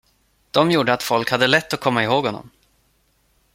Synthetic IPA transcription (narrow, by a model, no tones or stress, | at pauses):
d̪̥ɔmjuːɖəat̪fɔlkhad̪ːəlɛt̪ːɔkʰɔmːaɪɦoːɡhɔnːɔ̰m